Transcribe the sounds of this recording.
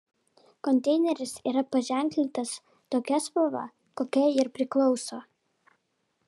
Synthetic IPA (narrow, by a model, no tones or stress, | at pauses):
kɔnʲt̪ʲɛɪnʲɛɾʲɪsiːɾɐpɐʒʲæˑŋʲklʲɪt̪ɐs | t̪oːkʲɛspoʋɐ̰ | koːkʲɛɪɾpʲɾʲɪklˠɒʊsoː